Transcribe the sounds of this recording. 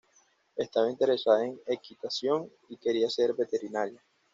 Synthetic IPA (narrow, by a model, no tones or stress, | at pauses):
est̪aβaint̪eɾe̞saðaeŋe̞kit̪asjo̞ŋ | ike̞ɾiase̞ɾbe̞t̪e̞ɾinaɾja